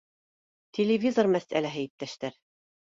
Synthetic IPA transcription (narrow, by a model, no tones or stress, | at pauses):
t̪ʲelʲɪvʲizormæsʔælæɦɘjip̚t̪ːæʃt̪æɾ